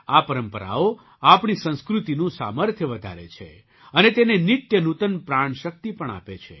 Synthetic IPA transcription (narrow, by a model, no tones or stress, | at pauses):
apəɾəmpəɾa̰o | apɳisə̃skɾut̪inũsa̰məɾt̪ʰjəʋəd̪ʱa̰ɾḛt͡ʃʰḛ | ənet̪enenit̪jənut̪ənpɾaɳ̃ʃək̚t̪ipəɳa̰pet͡ʃʰḛ